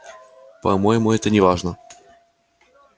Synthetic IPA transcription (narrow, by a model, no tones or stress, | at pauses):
pɐmojɪmʊɛt̪ənʲɪvaʐnə